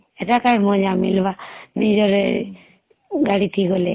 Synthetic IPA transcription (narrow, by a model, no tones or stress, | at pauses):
etakajmɔ̃d͡ʒamilbanid͡ʒɔɾ | ɡaɽit̪ʰikolḛ